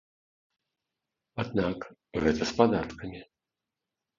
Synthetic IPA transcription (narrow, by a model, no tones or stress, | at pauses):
ad̪nakɣɛt̪ɐspad̪at̪kɐmʲi